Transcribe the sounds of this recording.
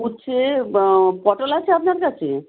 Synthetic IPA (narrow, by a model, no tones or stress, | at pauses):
utːt͡ɕʰe | pɔʈolat͡ɕʰeapnaɾkat͡ɕʰḛ